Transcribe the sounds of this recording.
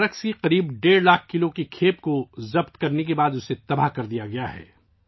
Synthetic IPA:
ɾəksiqɐɾiːbɖeːɾlaːk̚ʰkɪlokikʰeːp̚kozɐbt̪kɐɾnek̬ebaːd̪ʊset̪ɐbaɦkɐɾd̪ijaɡɐjaɦɛ̰ː

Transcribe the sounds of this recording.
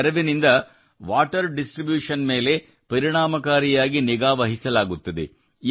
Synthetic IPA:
ɾɐʋinind̪ɐ | ʋaːʈɐɾɖisʈɾibjuːʂɐnme̞ːle̞ | pɐɾiɳaːmɐkaːɾijaːɡiniɡaːʋɐɦisɐlaːɡut̪ːɐd̪e̞̰

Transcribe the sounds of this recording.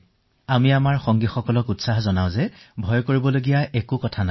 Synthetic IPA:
amiamaɹxɔŋɡixɔkɔlɔkutsaɦzɔnaʊ̃zɛbʱɔjkoɹibɔloɡijaʔɛkukɔtʰana

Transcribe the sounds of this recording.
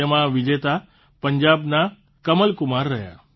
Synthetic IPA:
emãʋɪd͡ʒet̪a | pəɲd͡ʒabna | kəməlkʊmaɾːəja̰

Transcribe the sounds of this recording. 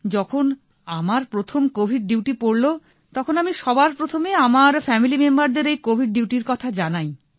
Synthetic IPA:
d͡ʑɔkʰon | amaɾpɾot̪ʰomkobʱiɖ̚ɖiwʈipoɽlo | t̪ɔkʰonamiʃɔbaɾpɾot̪ʰomeamaɾfɛmilimembaɾd̪eɾejkobʱiɖ̚ɖiwʈiɾkɔt̪ʰad͡ʑanaj

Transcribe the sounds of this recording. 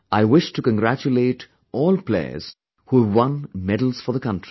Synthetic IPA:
ʔaɪwɪʃʈukə̃nɡɾæt͡ʃuleːʈ | ɔːlplḛɪə̰z̥ | huwʌ̃nmɛdəl̩z̥fɔ˞ðəkʌ̃ntɹi

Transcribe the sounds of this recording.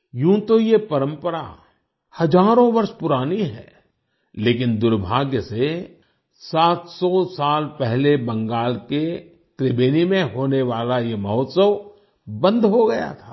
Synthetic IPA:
jũːt̪ojepɐɾə̃mpəɾa̰ | hɐd͡ʒaːɾõʋɐɾʃpʊɾaːniɦɛ̰ː | leːkɪnd̪ʊɾbʱaːɡjəse | saːt̪sɔsaːlpɛɦlebɐ̃ŋɡaːlke | t̪ɾɪbeːnimẽɦoːneʋaːlajemɐɦɔt̪səʋ | bə̃nd̪ʱɦoɡɐja̰t̪ʰḁː

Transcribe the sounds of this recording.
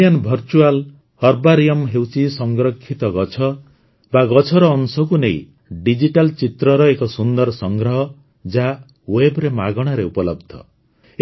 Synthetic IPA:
anbʱɔɾt͡ʃual | hɔɾbaɾijɔmɦewt͡ʃʰisʌŋɡɾɔkʰːit̪ɔɡɔt͡ʃʰɔ | baɡɔt͡ʃʰɔɾɔːŋsɔkunej | ɖid͡ʒiʈalt͡ʃit̪ɾɔɾɔekɔsund̪ɔɾsʌŋɡɾɔɦʌ | d͡ʒa | webɾemaɡɔɽ̃aɾeupɔlɔbd̪ʱɔ̰

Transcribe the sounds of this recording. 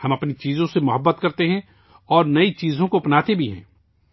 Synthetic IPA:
hɐmɐpnit͡ʃiːzõsemʊɦəbːət̪kɐɾt̪eɦɛ̃ | ɔːɾnɐit͡ʃiːzõkopnaːt̪ebʱiɦɛ̰̃ː

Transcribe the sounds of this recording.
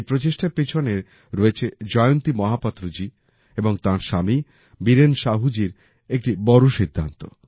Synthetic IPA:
pɾot͡ɕeʃʈapɾit͡ɕʰoneɾ | ɾoet͡ɕʰed͡ʑɔeont̪imɔɦapɔt̪ːɾod͡ʑi | eboŋt̪ãɾʃami | biɾenʃaɦud͡ʑiɾ | ek̚ʈibɔɾoʃid̪ʱːa̰nt̪o

